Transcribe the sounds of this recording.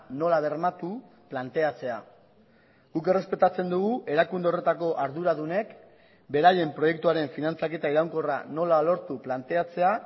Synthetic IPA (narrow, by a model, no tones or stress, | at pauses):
no̞laβ̞e̞ɾmat̪u | plant̪e̞at͡se̞a | ɡuke̞re̞spe̞t̪at͡se̞nd̪uɣuʔe̞ɾakund̪ere̞t̪ako̞ʔaɾðuɾaðune̞k | be̞ɾaje̞mpɾo̞je̞k̚t̪uaɾe̞ɱfinant͡sake̞t̪aiɾawŋko̞ra̰no̞lalo̞ɾt̪uplant̪e̞at͡se̞a